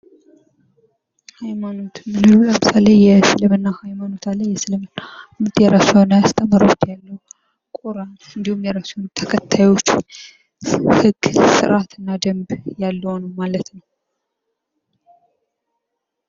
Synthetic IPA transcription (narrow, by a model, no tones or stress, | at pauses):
hajmano̞t̪mɨnɨɾuləmɨsalejːɛsɨlɨmɨnːahajmano̞t̪ʰalajːɛsɨlɨmɨnmɨt̪jɛɾasanjast̪ʼəmːɨɾot̪jalːəwu | kʼoɾanɨnd̪ihumjɛɾasunt̪ʰəkʰət̪ʰːajo̞t͡ʃː | hɨɡsɨ̰ɾʔat̪ʰɨnːad̪əmbjalːəwnəwmalət̪nəww